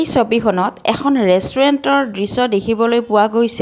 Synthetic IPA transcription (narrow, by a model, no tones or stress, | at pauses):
jsobikʰɔnɔtɛ̰kʰɔnɹɛstuɹɛntɔɹdɹisɔdekʰibɔlojpʊwaɡojsɛ